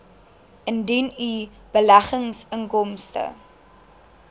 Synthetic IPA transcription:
əndini | b̥əlæχəŋsəŋkɔmstə̰

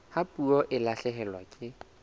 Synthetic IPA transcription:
hapʼuɔʔɪlaɬɛɦɛlwa̰kʼɪ

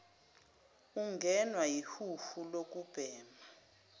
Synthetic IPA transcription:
uŋɡʱɛnwajihufulok̬ʼub̥ʱɛːma

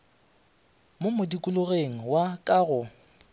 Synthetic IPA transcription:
momʊdikʼʊlʊɣeŋ̩wakʼaːɣʊ

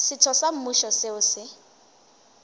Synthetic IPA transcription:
sɪtʰɔsam̩muʃɔsɪʊsɪ

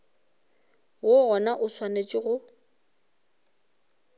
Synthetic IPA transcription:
wʊɣɔnaʔʊswanet͡ʃʼɪɣʊ

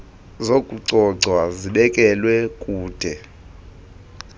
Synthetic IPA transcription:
zokʼuǀɔǀʱwaziɓɛkʼɛlwɛkʼuːd̥ʱɛ

